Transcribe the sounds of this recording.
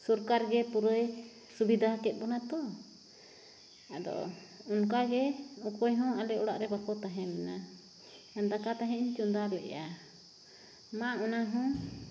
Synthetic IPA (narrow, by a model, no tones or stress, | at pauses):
suɾkaɾɡɛpuɾəj | subid̪ʱaɦakɛt̪̚ˀbɔnat̪ɔ | ad̪ɔ̰ | uŋk̬aɡɛukɔjɦɔ̃alɛɔɽa̰ʔɾɛbakɔt̪aɦɛ̃mɛna | and̪akat̪aɦɛ̃iɲt͡ʃund̪alɛ̰ʔa | maɔnaɦɔ̃